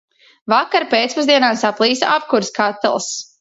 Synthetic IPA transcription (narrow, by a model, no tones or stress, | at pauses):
vakaɾpeːt̪spɔzd̪iɛnaːsaplˠiːsʔap̚kuɾskat̪ːɛ̰lˠs